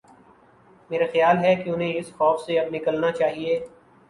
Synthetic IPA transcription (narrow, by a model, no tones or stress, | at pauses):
meːɾaxjaːlɦɛkeʊnɦẽɪsxɔːfseɐbnɪkəlnat͡ʃaːɦieː